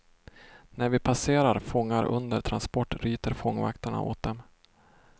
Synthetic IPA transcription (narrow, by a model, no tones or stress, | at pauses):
næɾvɪpʰaseːɾaɾfɔŋːaɾʔɵ̰nd̪əɾʈ̪ʰɾanspɔʈːɾyːt̪əɾfɔŋːva̰kt̪əɳa̰ʔo̰ːt̪̚d̪ɛm